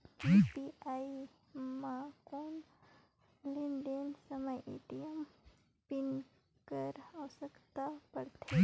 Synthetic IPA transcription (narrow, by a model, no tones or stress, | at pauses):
epiai | makon | liɳɖensəməjʔḭʈijəm | pin | kəɾawsəkt̪apəɾt̪ʰe